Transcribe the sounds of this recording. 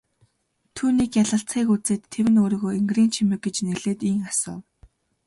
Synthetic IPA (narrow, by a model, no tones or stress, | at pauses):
t̪ʰuːniːkjaɮə̆ɬt͡sɢiːkut͡seːt̪ʰːewɘ̆noːɾiːɣoːeŋɡriːnt͡ɕʰimɘ̆k̚ɡet͡ɕneɮeːt̪iːŋasʊ̰ːw